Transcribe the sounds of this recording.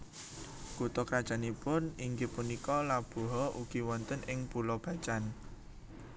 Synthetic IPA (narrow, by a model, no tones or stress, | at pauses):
kut̪ɔkɾad̥ʒ̥a̤nipʊniŋɡepunikɔlab̥o̤ɦɔʔuɡ̥i̤wɔnt̪ənɪŋpulɔb̥a̤t͡ʃan